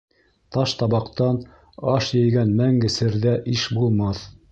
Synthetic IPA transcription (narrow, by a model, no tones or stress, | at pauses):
t̪ɑʃt̪ɑβɑqt̪ɑn | ɑʃjɘ̆jɡænmæŋɡɘ̆sɘ̆ɾðæʔiʃbulˠmɑθ